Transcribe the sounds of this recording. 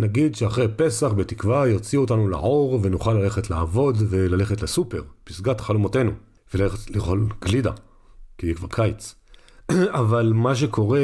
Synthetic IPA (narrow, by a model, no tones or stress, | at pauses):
naɡid̪ʃeaχʁejpe̞saχbe̞tikvajiʁt͡siotanula̰ʕo̞ʁve̞nuχalːale̞χetla̰ːvo̞dve̞lale̞χetlesupe̞ʁpisɡatχalomote̞nu | veleetliχo̞lɡlida̰ | kijikvaʁkʰajt͡s | avalmaʃ̬e̞kʰo̞ʁe